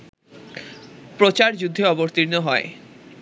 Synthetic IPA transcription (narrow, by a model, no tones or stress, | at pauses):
pɾot͡ɕaɾd͡ʑud̪ʱːeɔboɾt̪iɾnoɦɔe